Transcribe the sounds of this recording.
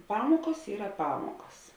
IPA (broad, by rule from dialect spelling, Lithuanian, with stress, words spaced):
ˈpɑːmoːkoːs ˈiːrɐ ˈpɑːmoːkɐs